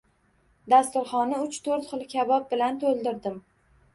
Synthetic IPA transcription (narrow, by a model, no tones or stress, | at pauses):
d̪ast̪ʊɾχɒnɪʊt͡ʃt̪ʰoɾt̪χɨlˠkʲʰabɒp̚bɪlant̪ʰolˠd̪ɪɾd̪ɪm